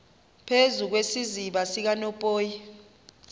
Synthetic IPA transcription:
pʰezuk̬wesiziɓasik̬anɔpʼoːji

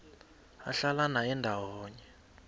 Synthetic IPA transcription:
a̰ɬalanaɛndʱawɔːɲɛ

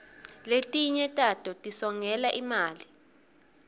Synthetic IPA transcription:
letʼiɲɛtʼatʼɔtʼisɔŋɛlaʔimaːli

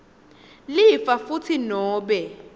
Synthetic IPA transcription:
lɪfafut͡sʰinɔːbɛ

